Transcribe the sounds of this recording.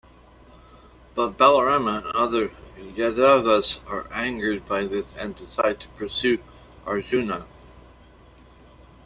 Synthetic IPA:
b̥ʌt̚b̥ælˠə˞ɛmə̃nʌðə˞jɛðavəzə˞ʔæ̃ŋɡə˞d̚baɪðɪsɛ̰̃ndɨsaɪd̚tʰə̥pʰə˞sʉ | ʔɑɹzʉnə

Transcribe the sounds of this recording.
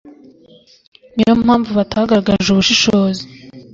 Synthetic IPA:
niɾomhaːɱvuβataːɡaɾaɡaʒuβuʃiʃoːzi

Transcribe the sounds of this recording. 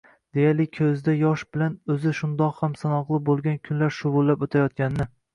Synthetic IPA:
d̪̥e̞jaɾlɪkʲʰɵzd̪ajɒʃbɪlanɵzɪʃʊnd̪ɒqhamsanɒqlˠɪbolˠɡʲankʲʰʊnlaɾʃʊʁʊlˠːapot̪ʰajɒt̪̚kʲanɪnɪ

